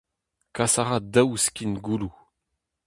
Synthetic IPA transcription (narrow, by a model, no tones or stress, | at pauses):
kasaʁad̪awskʲinɡulu